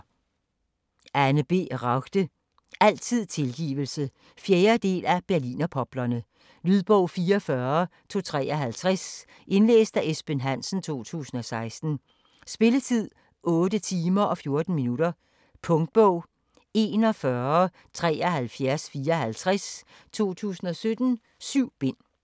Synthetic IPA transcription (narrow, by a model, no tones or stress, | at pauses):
ænəb̥e̝̰ːʁɑɡ̥d̥ə | ʔæl̰t͡sʰið̰ˠt͡sʰe̝lɡ̥ḭːʋl̩sə | fjeːɐd̥e̝̰ːlæb̥æɐlḭːnɐpʰɒ̽b̥lɐnə | lyð̰ˠb̥ɔʊ̰fiːɒfɶɐt͡sʰo̝t͡sʰʁɛ̰ːɒɦælt͡sʰʁas | ʔe̝nlḛːsd̥æʔesb̥enɦæn̰sn̩t͡sʰo̝̰ːt͡sʰṵːsn̩ɒ̽sɑ̈ɪsd̥n̩ | sb̥e̝lət͡sʰið̰ˠ | ʔɔ̽ːd̥ət͡sʰiːmɐʔɒ̽fjo̝ɐd̥n̩minudɐ | pʰɔ̽ŋd̥̚b̥ɔʊ̰ | e̝nɒ̽fɶɐɐ | t͡sʰʁɛ̰ːɒhælfjæɐsfiːɐɦælt͡sʰʁas | t͡sʰo̝̰ːt͡sʰṵːsn̩ɒ̽sød̥n̩ | syʊ̰b̥e̝n̰